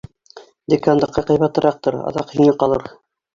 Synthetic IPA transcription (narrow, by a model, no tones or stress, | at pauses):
d̪ʲekand̪ɑqːɑqɑjβɑt̪ɤ̆ɾɑq̚t̪ɤɾɑ̰ðɑqhiŋɘqɑlˠɤɾ